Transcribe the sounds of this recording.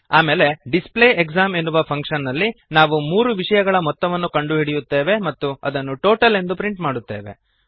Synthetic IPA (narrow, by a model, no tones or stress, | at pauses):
aːme̞ːle̞ɖisple̞ːeɡzaːme̞nːuʋɐpʰɐŋkʂɐnːɐlːinaːʋumuːɾuʋiʂɐjɐɡɐɭɐmɔt̪ːɐʋɐnːukɐɳɖuɦiɽijut̪ːe̞ːʋe̞mɐt̪ːuɐ̰d̪ɐnːuʈo̞ːʈɐle̞nd̪upɾiɳʈmaːɽut̪ːe̞̰ːʋe̞̰